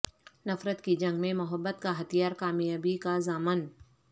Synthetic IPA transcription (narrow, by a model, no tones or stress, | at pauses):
nɐfɾət̪kid͡ʒɐ̃ŋɡmẽmʊɦəbːət̪̚kaɦɐt̪ijaːɾkaːmijaːbikazaːmən